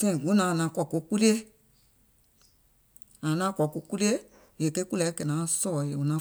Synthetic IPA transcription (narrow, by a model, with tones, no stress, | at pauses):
fẽ˦˨ɡu˨˦nã˨˦˨nã˨˦˨kɔ˨ko˧ku˦li˦e˦ | ã˨nã˦kɔ˨ko˦ku˦li˦e˦ | je˨ke˦ku˦lɛ˨˦ke˨nã˨˦sɔ˦˨je˨u˨nã˨˦